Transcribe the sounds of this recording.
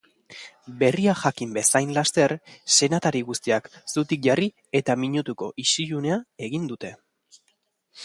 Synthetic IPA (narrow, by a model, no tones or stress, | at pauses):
be̞riaxakimbe̞sajnlast̪e̞ɾse̞nat̪aɾiɣust̪iaksut̪ik̚ʝari | e̞t̪amiɲut̪uko̞̰ʔisiʎune̞ae̞ɣind̪ut̪e̞